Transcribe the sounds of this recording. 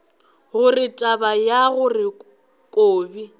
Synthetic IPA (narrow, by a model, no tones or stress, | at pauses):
ɣʊrɪtʼabajaɣʊrɪ | kʼoːbi